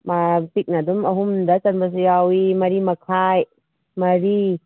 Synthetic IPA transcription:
mapik̚nadumɐɦumdɐt͡ʃanbas̬jawimɐɾimɐkʰaj | mɐɾi

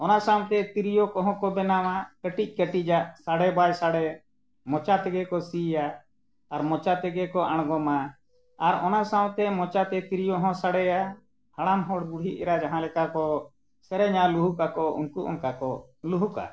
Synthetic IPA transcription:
ɔnasaw̃t̪ɛt̪iɾijɔkɔɦɔ̃kɔbɛnamakəʈic̚ˀkəʈid͡ʒaʔsaɽɛbajsaɽɛ | mɔt͡ʃat̪ɛɡɛkɔsijaː | ɾmɔt͡ʃat̪ɛɡɛkɔʔaɽ̃ɡɔmaː | ɾɔnasaw̃t̪ɛmɔt͡ʃat̪ɛt̪iɾijɔɦɔ̃saɽɛja | haɽamɦɔɽɡuɽ̤ʱit̪̚ɛ̰ɾad͡ʒaɦãlɛkakɔ | sɛɾɛɲaluɦukakɔṵnkuʔɔ̰ŋkakɔ | luɦuka̰

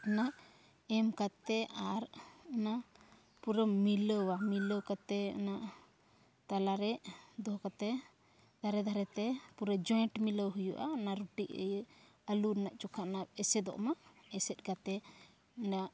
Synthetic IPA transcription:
anaʔ | ɛmkat̪ɛʔaɾanaʔ | puɾɔmiləwamiləwkat̪ɛa̰naʔ | t̪alaɾɛʔd̪ɔɦɔkat̪ɛ | d̪̥ʱaɾɛd̪ʱaɾɛt̪ɛpuɾəd͡ʒɔjɳʈmiləwɦujuʔa̰anaʔɾuʈiʔə̰ | əlunaʔt͡ʃukʰaʔnap̚ɛsɛd̪ɔ̰ʔmaɛsɛt̪̚kat̪ɛ | anaʔ

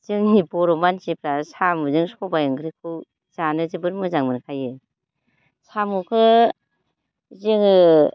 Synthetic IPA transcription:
z̥ɯŋnibɔɾomansipɾasamuzɯŋsɔbajɯŋɡɾikʰɯw | zanɯzɯbɯɾmɯzaŋmɯnkʰajɯ | samukʰɯ | zɯŋɯ

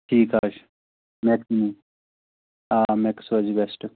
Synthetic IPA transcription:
ʈʰiːka̰ːʃ | mekmi | aːmeksɐd͡ʒibesʈ

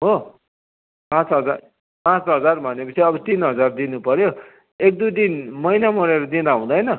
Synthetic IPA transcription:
ɦo | pãt͡sɦʌd͡zar | pãt͡sɦʌd͡zarbʱʌnekʌt͡sʰiʌbʌt̪inɦʌd͡zard̪inupʌɾjo | ek̚d̪ujd̪inmʌjnamʌɾeɾʌd̪inaũd̪ʌjnʌ

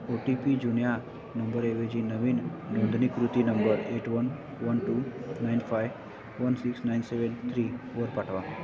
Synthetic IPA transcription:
oʈipid͡ʑunja | nəmbəɾeʋed͡ʑinəʋiːnnõnd̪ʱnikɾut̪inəmbəɾeʈʋən | ʋənʈunajnfajʋ | ʋənsiksnajnseʋent̪ʰɾiʋəɾpaʈʰʋa

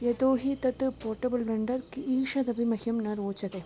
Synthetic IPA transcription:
jed̪oːɦit̪ɐt̪ːɯpoːɾʈɐbɐlʋɐɳɖɐɾkiːʂɐd̪ɐbimɐhjɐmnɐɾoːt͡ʃɐt̪ɐ

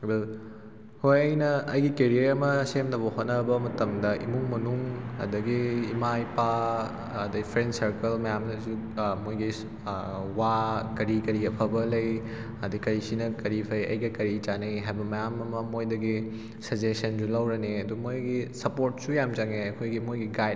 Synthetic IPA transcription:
bil | hojɐjnɐːjɡikeɾijɐɾɐmɐsemdɐβɐhot̚nɐbɐmɐtɐmdɐʔḭmuŋmɐnuŋɐ̰dɐɡiːmajpa | ɐdɐipʰɾensɐɾkɐlmɐjamnɐsu | mojɡi | wakɐɾikɐɾiɐpʰɐbɐlɐj | ɐdikɐɾisinɐkɐɾipʰɐjɐ̰jɡɐkɐɾit͡ʃanɐjɦajbɐmɐjamɐmɐmojdɐɡi | sɐd͡ʒesɐnsulɐwɾɐneɐdumojɡisɐpoɾt̚sujamd͡ʒɐŋeɐkʰojɡimojɡiɡaj

